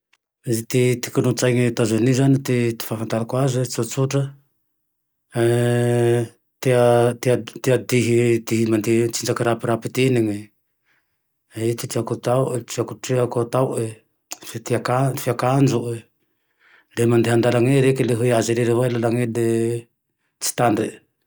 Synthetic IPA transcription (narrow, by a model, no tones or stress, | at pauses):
zt̪it̪ikunut͡sajŋit̪azanizanit̪it̪i̥fafant̪alakwazet͡sut͡suʈ͡ʂa | e | t̪iat̪iat̪iad̪iɦit̪iɦimand̪it͡sind͡ʒakiɾapiɾapit̪iniŋe | et̪itiakut̪awet͡ʃiakuʈ͡ʂiakot̪awe | ft̪iakafiakand͡ʒuʔe | lemand̪iɦand̪alaŋeɾekeleɦuiaziɾeɾewajlalaŋede | t͡si̥t̪ande